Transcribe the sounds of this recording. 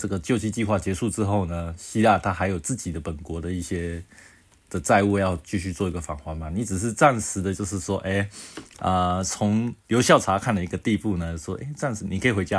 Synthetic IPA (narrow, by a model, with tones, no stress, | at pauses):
ʈ͡ʂə˥˩ɡə˩t͡ɕjo˥˧ʊt͡ɕʰi˥˧t͡ɕi˥˧xwa˥˩t͡ɕjɛ˧˥ʂu˥˧ʈ͡ʂɻ̩˥xo˥˩ʊnə˩ɕi˥la˥˧t̪ʰa˥xa˧˥ɪjo˨˩ʊt͡sɹ̩˥˩t͡ɕi˨˩d̪ə˦pə˨˩nkwɔ˧˥d̪ə˧i˥˩ɕjɛ˥ | d̪̥ə˨t͡sa˥˧ɪu˥˧jɑ˥˧ʊt͡ɕy˥˧ɕy˥˧t͡swɔ˥˩i˧˥ɡə˨fa˨˩ŋxwa˧˥nma˨ni˨˧˥t͡sɻ̩˨˩ʂ̬ɻ̩˥˧t͡sa˥˩nʂɻ̩˧˥d̪ə˧t͡ɕjo˥˧ʊʂ̬ɻ̩˥˩ʂwɔ˥ʔe˥˩ɪə˨˩t͡sʰʊ˧˥ŋljo˧˥ʊɕjɑ˥˩ʊʈ͡ʂʰa˧˥kʰa˥˩nlə˩i˧˥ɡə˧t̪i˥˧pu˥˩nə˩ʂwɔ˥ʔe˥˩ɪt͡sa˥˩nʂ̩˧˥ni˨kʰi˨˩xwe˧˥ɪt͡ɕja˥